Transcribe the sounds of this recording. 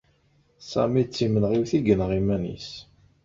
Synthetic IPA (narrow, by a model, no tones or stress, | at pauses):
sæ̰mit͡sːimənʁiwθiɡənʁimænḭs